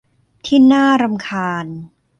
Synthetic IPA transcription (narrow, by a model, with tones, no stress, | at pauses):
t̪ʰiː˥˩naː˥˩ɾa˧mkʰaː˧n